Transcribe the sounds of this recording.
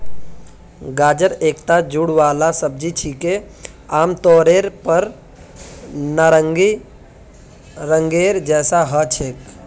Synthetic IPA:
ɡaːd͡ʒəɾeːkt̪ad͡ʒuɽʋaːlasəb̚d͡ʒit͡ʃʰike | aːmt̪ɔːɾeːɾpəɾ | naɾəŋɡi | ɾəŋɡeːɾd͡ʒɛːsaɦət͡ʃʰeːk

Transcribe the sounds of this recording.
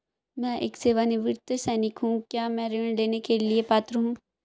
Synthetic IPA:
mɛ̃ʔḛːkseːʋaːneʋɪɾt̪əsɛːnɪkɦũkjaːmɛ̃ɾiəɳleːnekeliepaːt̪ɾəɦũː

